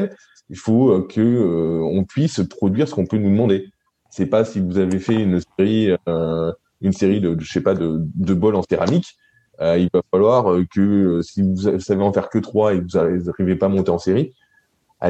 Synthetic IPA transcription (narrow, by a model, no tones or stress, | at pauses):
l | ilfoøkʰəøɔ̃pɥispχɔd̪ɥiʁsə̥kɔ̃pønud̪əmɑ̃d̪e | sɛpasivuzavefɛynseʁiø | ynseʁid̪əəʃepad̪əd̪əbɔlɑ̃seʁamik | øilvafalwaʁøkəsivusaveɑ̃fɛʁkət̪χwaevuzaaʁivepaːmɔ̃t̪eɑ̃seʁi | a̰